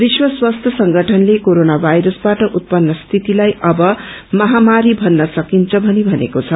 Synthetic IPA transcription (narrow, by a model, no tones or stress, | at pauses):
biswʌswast̪ʰjʌsʌŋɡʱʌʈʰʌnlekoɾonabʱajɾʌsbaʈʌʔut̪̚pʌnːʌst̪ʰit̪ilajʔʌbʌmʌɦamaɾibʱʌnːʌsʌkint͡sʰʌbʱʌnibʱʌnḛkot͡sʰʌ